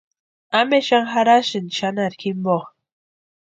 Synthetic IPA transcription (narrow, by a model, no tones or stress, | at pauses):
ameʃaŋxaɾaʃinʃanaɾkimboχ